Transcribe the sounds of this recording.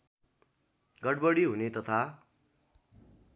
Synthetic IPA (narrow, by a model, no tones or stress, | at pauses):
ɡʌɽbʌɽiɦunet̪ʌt̪ʰa